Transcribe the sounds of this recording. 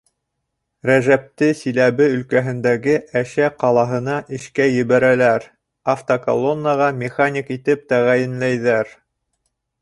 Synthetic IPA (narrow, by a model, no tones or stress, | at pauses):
ɾæʒæp̚t̪ɘsilæβɘɵ̆lkæɦɘ̆nd̪æɡɘʔæʃæqɑlˠɑɦɤ̆nɑʔɘ̆ʃkæjɘ̆βæɾælæɾ | aft̪oko̰lˠonːəʁɑmʲɪχanʲikit̪ɘp̚t̪æʁæjɘ̆nlæjðæɾ